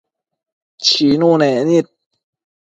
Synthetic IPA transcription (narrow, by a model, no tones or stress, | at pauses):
t͡ɕʰiːnuːnɛːnit̪̚